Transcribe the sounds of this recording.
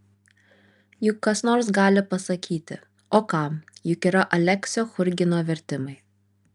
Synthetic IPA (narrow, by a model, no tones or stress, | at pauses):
jʊkːɐsnoːɾsɡɑːlʲɪpɐsɐkʲiːt̪ʲɪ̰ | oːkɑˑmjʊkiːɾɐʔɐlʲɛksʲoːxʊɾʲɡʲɪnoːʋʲɛɾʲt̪ʲɪmɐɪ